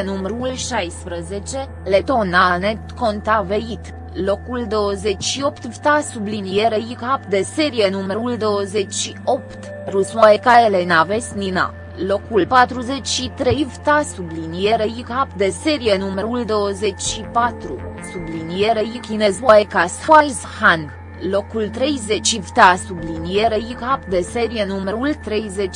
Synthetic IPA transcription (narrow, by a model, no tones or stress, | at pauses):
numəɾulʃajspɾəzet͡ʃe̞ | let̪onanet̪kont̪aveit̪ | lokuld̪o̞wəzet͡ʃʃio̞pt̪vt̪asublinijeɾeikapd̪eseɾijenuməɾuld̪o̞wəzet͡ʃʃio̞pt̪ | rusaekaelenavest̪nina̰ | lokulpat̪ɾuzet͡ʃʃit̪ɾejvt̪asublinijeɾejikapd̪eseɾijenuməɾuld̪o̞ːəzet͡ʃʃipat̪ɾusublinijeɾejikinezwaekashajzhan | lokult̪ɾejzet͡ʃivt̪asublinijeɾejikap̪d̪eseɾienuməɾult̪ɾejzet͡ʃ